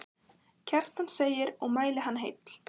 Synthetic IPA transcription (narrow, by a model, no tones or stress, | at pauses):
cʰɛr̥t̪anseːjɪɾɔɣmaːjlɪɦanːɦḛjt̪l̥